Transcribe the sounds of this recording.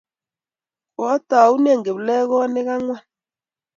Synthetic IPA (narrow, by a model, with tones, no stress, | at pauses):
ɔ˦ta˨u˦nɛ˦˨ŋɡe˨βu˨lɛ˦ɣɔ˦nɛ˦ɣa˦ŋwa˦